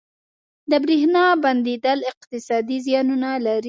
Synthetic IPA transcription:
d̪əbɾehnɑband̪ed̪əlɪq̚t̪ɪsɑd̪izjɑnunalaɾi

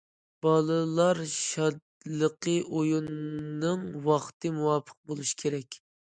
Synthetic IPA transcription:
b̥ɑlˠɨlˠɑɾʃɑd̪ | lˠəqʰəʔojunːɨŋwɑχt̪ʰɨmuwɑpʰə̥q̚bolˠuʃi̥kʲʰeɾɛkʲ

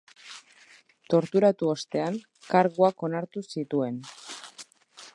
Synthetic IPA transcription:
t̪o̞ɾt̪uɾat̪uost̪e̞aŋ | kaɾɣoako̞naɾt̪usit̪ue̞n

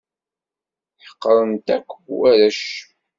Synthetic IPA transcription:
ħə̥qːəɾˤəmt̪ækʷːæɾəʃ

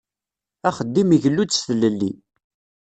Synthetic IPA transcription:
æχəd̪ːimiʝəlːud̪sθləlːḭ

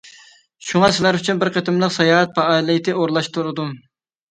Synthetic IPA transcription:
ʃuŋɑsɪlæɾyt͡ʃʰynbɪɾqʰəet̪ɪmlˠəqsɑjɑːɦɛt̪̚pʰɑɑːilˠɪt̪ʰɪʔoɾlˠɑʃt̪ʰuɾɨd̪u

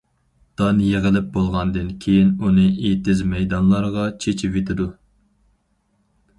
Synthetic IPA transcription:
d̪̥ɑnjeʁəlɪp̚bolˠʁɑnd̪ɨnkʲʰejinunɨet̪ɪzmɛjd̪ɑnlˠɑɾʁɑt͡ʃʰet͡ʃʰɪvet̪ʰɪd̪u

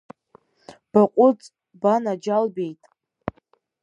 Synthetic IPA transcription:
b̥aqʷʼʊt͡sʼ | banad͡ʒalbe̞jtʼ

